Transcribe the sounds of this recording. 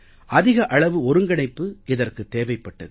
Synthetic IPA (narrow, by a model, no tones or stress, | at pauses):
ʔɐðɪɣɐʔɐɭɐʋɯɔɾɯŋɡɐɳɐɪpːɯɪðɐrkɯt̪ːeːʋɐɪpːɐʈːɐðɯ